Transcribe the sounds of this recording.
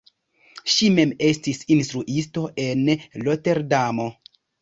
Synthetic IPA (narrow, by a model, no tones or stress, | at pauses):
ʃime̞me̞stisinstɾuʔisto̞ʔe̞nlote̞ɾdamo̞